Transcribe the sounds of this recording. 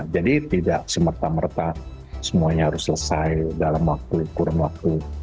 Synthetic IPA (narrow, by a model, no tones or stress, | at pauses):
d͡ʒadit̪idak̚səmərt̪amərt̪asəmuaɲaɦaɾʊsːələsajdalamwak̚t̪ukuɾanwak̚t̪u